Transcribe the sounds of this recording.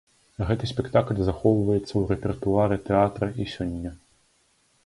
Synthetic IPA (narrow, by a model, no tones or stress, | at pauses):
ɣɛt̪ɨsʲpʲɛkt̪aklʲzaxɔwvɐjɛt̪sːɐwɾɛpʲɛrt̪uaɾɨt̪ɛat̪ɾɐʔisʲɔnʲːɐ